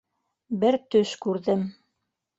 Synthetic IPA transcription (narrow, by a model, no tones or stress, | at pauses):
bɘɾt̪ɵʃkʉɾðɘm